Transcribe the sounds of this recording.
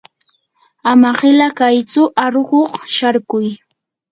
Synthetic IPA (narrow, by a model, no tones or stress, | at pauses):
amaɢɪlakajt͡sʊʔaɾoɢoχʃaɾkʊj